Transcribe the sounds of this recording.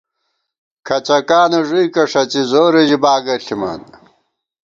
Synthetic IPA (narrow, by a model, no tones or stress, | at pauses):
kʰɐt͡ɕɐkaːnɐʐujkɐʂɐt͡ɕizoːɾed͡ʑibaːɡɐɬimɐ̰n